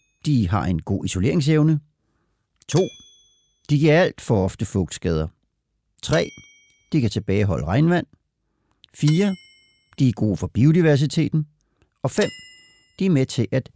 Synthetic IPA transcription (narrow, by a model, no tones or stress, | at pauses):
d̥iɦɑ̈ʔe̝nɡ̥o̝̰ːiso̝le̝̰ɐ̰eŋs̬eʊnə | t͡sʰo̝̰ː | d̥iɡiɐæl̰d̥fɒ̽ɒ̽fd̥əfɔɡ̥sɡ̥ɛːð̞ˠɐ | t͡sʰʁɛ̰ː | d̥ikæt͡sʰe̝b̥ɛːɪɦɒ̽ləʁɑ̈ɪnʋæn̰ | fiːɐ | d̥iæɐɡ̥o̝̰ːfɒ̽b̥iodiʋæɐs̬it͡sʰe̝̰ːd̥n̩ | ɒ̽fem̰ | d̥iæɐmet͡sʰe̝ʔæd̥